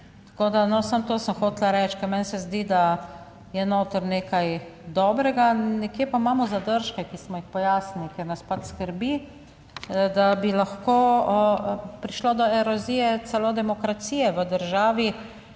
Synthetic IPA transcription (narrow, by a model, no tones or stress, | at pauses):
t̪ḁkoːd̪anɔsamt̪oːsəmxoːt̪laɾɛt͡ʃkɛɾmɛnsɛzd̪id̪a | jɛnoːt̪əɾneːkajd̪ɔːbɾɛɡanɛkjepaimaːmɔzad̪əɾʃkɛkismɔjixpɔjaːsnilikeɾnaspat͡ʃskəɾbi | d̪abilaxkoː | pɾiʃlod̪ɔɛɾɔzijɛt̪t͡s̪ɛlod̪ɛmɔkɾat̪siːjɛʋəd̪əɾʒaːʋi